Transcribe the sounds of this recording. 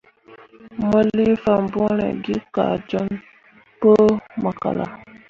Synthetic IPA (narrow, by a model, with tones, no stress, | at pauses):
mə˦li˦fa˨mbu˦ɾḛ˨ɡi˦ka˨d͡ʒɔ˦n | pə˦mə˨ka̰˨la̰˨